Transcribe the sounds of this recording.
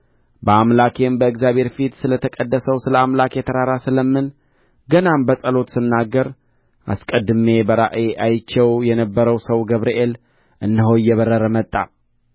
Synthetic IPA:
bəamlakʰe̞mbəɨɡzjaβʱhe̞ɾfit̪sɨlət̪ʰəkʼəd̪ːəsəwsɨləamlakjɛt̪ʰəɾaɾasɨləmːɨn | ɡənambəsʼəlo̞t̪sɨnːaɡːəɾ | ʔa̰skʼəd̪ːɨme̞bəɾaʔeʔajt͡ʃːɛwjɛnəbːəɾəwsəwɡəβɾiʔel | ʔɨnːəɦoɨjːɛβərːəɾəmət̪ʼːa̰

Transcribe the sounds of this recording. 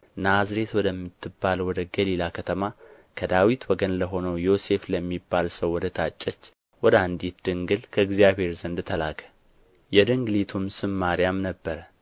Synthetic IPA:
nazɾe̞t̪wɔd̪əmːɨt̪ʰːɨbːalwɔd̪əɡəlilakʰət̪ʰəma | kʰəd̪awit̪wɔɡənləɦo̞nəwjo̞se̞fləmːibːalsəwːɔd̪ət̪ʰat͡ʃʼːət͡ʃː | wɔd̪əand̪it̪̚d̪ɨŋɡɨlkʰəɨɡzijaβhe̞ɾzənd̪ɨt̪ʰəlakə̥ | jɛd̪ɨŋɡlit̪ʰumsɨmːaɾijamnəbːəɾə

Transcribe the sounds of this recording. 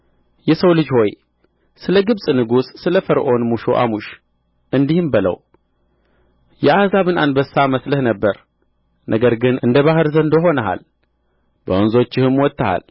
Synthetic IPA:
jɛsəwlɨd͡ʒho̞j | sɨləɡɨβsʼnɨɡusːɨləfəɾʔo̞nmuʃo̰ʔa̰muʃ | ʔɨnd̪ihɨmbɨlə̰w | jɛʔazaβɨnanbəsaməsləhnəbːəɾ | nʔəɡəɾɡɨnɨnd̪əβahɨɾzənd̪oɦo̞nəɦa̰l | b̥əonzo̞t͡ʃːɪhɨmwɔt̪ʰʼːaha̰l

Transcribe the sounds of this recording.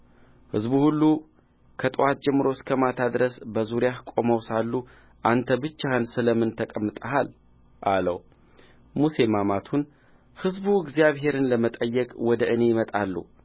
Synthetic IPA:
hɨzbuhulːu | kʰət̪ʼwat̪̚d͡ʒɛmːɨɾo̞skʰəmat̪ʰad̪ɾəsbəzuɾijahkʼo̞məwsalːu | ʔant̪ʰəbɨt͡ʃːahɨnsɨləmɨnt̪ʰəkʼəmːɨt̪ʼəɦal | ʔalə̰w | muse̞mamat̪ʰun | hɨzbuɨɡzijaβɦe̞ɾɨnləmət̪ʼəjːɛkʼwɔd̪əʔɨne̞jɪmət̪ʼalːṵ

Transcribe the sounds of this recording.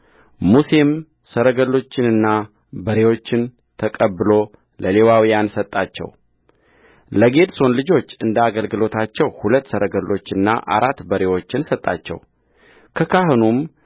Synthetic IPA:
muse̞m | səɾəɡəlːo̞t͡ʃːɪnɨnːa | bəɾe̞wo̞t͡ʃːɪn | t̪ʰəkʼəbːɨlo̞ | lʔəle̞wawijansət̪ʼːat͡ʃːɛ̰w | ləɡe̞d̪so̞nlɨd͡ʒo̞t͡ʃːɨnd̪aɡəlɡɨlo̞t̪ʰat͡ʃːɛwhulət̪ːsəɾʔəɡəlːo̞t͡ʃːɨnːa̰ʔa̰ɾat̪ːbəɾe̞wo̞t͡ʃːɪnsət̪ʼːa̰t͡ʃːɛ̰w | kʰəkʰahɨnum

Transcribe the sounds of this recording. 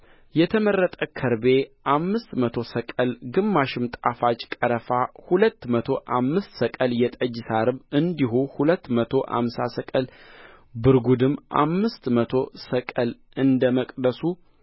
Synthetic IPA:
jɛt̪ʰəmərːət̪ʼəkʰəɾbe̞ʔamːɨst̪mət̪ʰo̞səkʼəlɡɨmːaʃɪmt̪ʼafat͡ʃʼkʼəɾəfahulət̪ːmət̪ʰo̞ʔamːɨst̪səkʼəljɛt̪ʼəd͡ʒsaɾɨβɨnd̪iɦuhulət̪ːmət̪ʰo̞ʔa̰msa̰səkʼəl | bɨɾɡud̪ɨmːʔa̰mːɨst̪mət̪ʰo̞səkʼəl | ɨnd̪əməkʼd̪əsu

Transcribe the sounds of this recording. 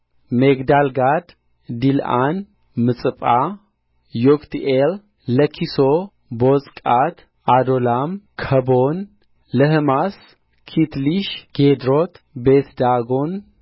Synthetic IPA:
meɡd̪alɡad̪ | d̪ilʔa̰n | mɨt͡sʼɨpʼa | jokt̪ʰielː | əkʰiso | bot͡sʼkʼat̪ | ad̪olamkʰəbon | ləhɨmas | kʰit̪liʃɡ̥ed̪ɾot̪ | bet̪d̪aɡon

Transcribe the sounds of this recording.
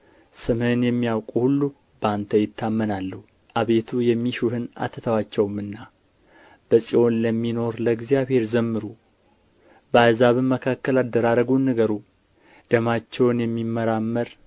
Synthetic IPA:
sɨmɨɨnjɛmːijawkʼuhulːu | bəant̪ʰəjɪt̪ʰːamːənalːu | ʔaβe̞t̪ʰujɛmːiʃuhɨna̰t̪ʰːət̪ʰəwat͡ʃːɛwmɨnːa | b̥əsʼio̞nləmːino̞ɾləɡzijaβhe̞ɾzəmːɨɾu | bəazaβɨmməkʰakːəlad̪ːəɾaɾəɡunːɨɡəɾu | d̪̥əmat͡ʃːɛwnjɛmːimːəɾamːəɾ

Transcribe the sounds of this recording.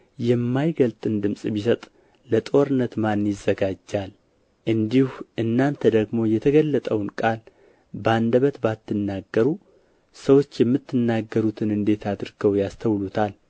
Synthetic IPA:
jɛmːajɡəlt̪ʼɨnd̪ɨmsʼbisət̪ʼ | lət̪ʼo̞ɾɨnːət̪manːjɪzːəɡad͡ʒːal | ʔɨnd̪ihuʔɨnːant̪ʰəd̪əɡmo̞jɛt̪ʰəɡəlːət̪ʼəwnkʼal | band̪əβət̪bat̪ʰːɨnːaɡːəɾu | səwo̞t͡ʃːjɛmːɨt̪ːɨnːaɡːəɾut̪ʰɨnɨnd̪e̞t̪ʰad̪ɾɡ̥əwjast̪ʰəwlut̪ʰal

